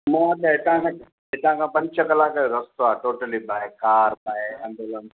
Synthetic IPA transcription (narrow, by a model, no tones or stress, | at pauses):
mãt̪ɐet̪ãkʰã | ɦɪt̪ãkʰãːpɐ̃ɲt͡ʃəkɐlaːkaoɾɐst̪oaːʈoːʈəlibaːekaːɾbaːeɐ̃nd̪oːlən